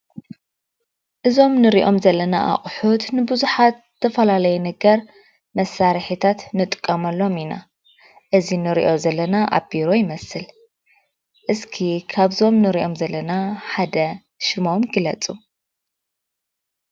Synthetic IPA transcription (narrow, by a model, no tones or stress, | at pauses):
ʔɨzo̞mnɨɾiʔo̞mzɐlːɐnaʔa̰χʼħut̪nɨbɨzuħat̪ɨt̪ʰɐfɐlalɐjɛnɐɡɐɾ | mɐsaɾħit̪ʰat̪nɨt̪ʼɨkʼːɐmɐlːo̞mina̰ | ʔɨzinɨɾḭʔo̞zɐlːɐnaʔa̰biɾo̞jɪmɐsɨl | ʔɨskʰikʰaβzo̞mnɨɾiʔo̞mzɐlːɐnaħad̪ɐ | ʃɨmo̞mɡɨlɐt͡sʼu